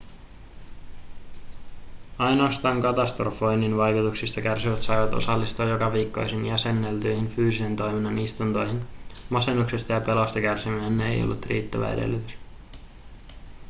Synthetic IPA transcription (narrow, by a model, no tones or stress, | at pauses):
ɑjno̞ɑst̪ɑːŋkɑt̪ɑst̪ro̞fojnːinʋɑjkut̪uksist̪ɑk̟ærsiʋæt̪sɑjʋɑt̪o̞̰sɑlːist̪uːjo̞kɑʋiːkːo̞jsinjæse̞nːelt̪yjhinfyːsise̞nt̪o̞jminːɑnist̪unt̪o̞jɦinmɑse̞nːuksest̪ɑjɑpe̞lo̞st̪ɑkærsimynːeḛjo̰lːut̪rḭːt̪ːæʋæ̰edḛlːyt̪ys